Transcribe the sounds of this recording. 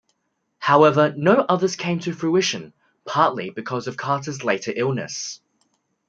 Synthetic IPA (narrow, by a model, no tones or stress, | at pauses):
haʊɛvənəʊʔʌðəz̥kʰẽɪ̃mtʰəfɹʉɪʃə̃n | pʰɑˑʔlibɪkʰɒzəv̥kʰɑˑtəzleɪtʰəɹʔɪlˠnə̰s